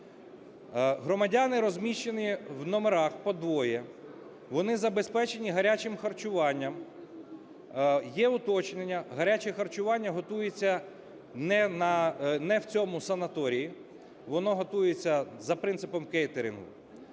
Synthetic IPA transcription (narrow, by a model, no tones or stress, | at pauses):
ɦɾɔmɐdʲanɪɾɔzʲmʲiʃt͡ʃeniwnɔmeɾɑxpɔd̪ʋɔjɛ | ʋɔnɪzɐbe̞spɛt͡ʃe̞nʲiɦɐɾʲat͡ʃɪmxɐrt͡ʃʊʋɑnʲːɐm | jɛʊt̪ɔt͡ʃnenʲːɐɦɐɾʲat͡ʃɛxɐrt͡ʃʊʋɑnʲːɐɦɔt̪ujet͡sʲːɐ | nɛnɐnɛwt͡sʲɔmʊsɐnɐt̪ɔɾʲiji | ʋɔnɔɦɔt̪ujet͡sʲːɐzɐpɾɪnt̪sɪpɔmkɛjt̪eɾʲɪnɦʊ̰